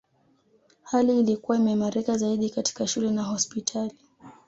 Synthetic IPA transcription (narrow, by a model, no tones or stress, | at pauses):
haliːlikuwaimɛmaɾikazaiɗikati̥kaʃulɛnaɦɔspitʰali